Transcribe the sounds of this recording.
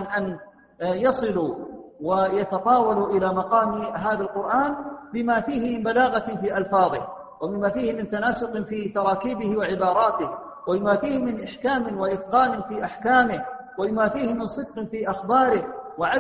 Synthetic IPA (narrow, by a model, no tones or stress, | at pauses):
nʔan | jɑsˤɨluwajɑt̪ɑt̪ˤɑːwɑluʔɪlaːmɑqɑːmɦaːðalqʊɾʔaːnbɪmaːfiːhɪmɪnbalaːɣafiːʔɑlfɑːðˤɪ̰h | wabɪmːaːfiːhɪmɪnt̪anaːsʊqfiːt̪ɑɾˤɑːkiːbɪhwɪʕɪbɑːɾˤɑːt̪ɪh | wabɪmaːfiːhɪmɪnʔɪħkaːmɪwaʔɪt̪qɑːnɪfiːʔaħkaːmɪhwabɪmaːfiːhɪmɪnsˤɨd̪̚qfiːʔaxbɑːɾɪhwɪʕa